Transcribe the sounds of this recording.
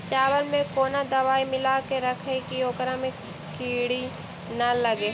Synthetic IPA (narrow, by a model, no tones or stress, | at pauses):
t͡ʃaːwəlmẽkoːnad̪ɐʋaːimɪlakeɾɐkʰekioːkɾãmẽ | kiːɽi | nɐlɐɡeː